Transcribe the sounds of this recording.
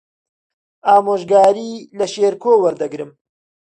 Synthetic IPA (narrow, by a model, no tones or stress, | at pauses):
ʔaːmoːʒɡaːɾiːlɐʃeːɾkʰoːwɐɾd̪ɐɡɾɨm